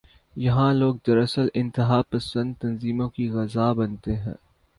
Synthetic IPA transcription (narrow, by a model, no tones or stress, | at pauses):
jɐɦãloːɡ̚d̪ɐɾɐsəlɪ̃nt̪ɪɦaːpɐsə̃nd̪̚t̪ɐnziːmõkiɣɐzaːbɐnt̪eɦɛ̰̃ː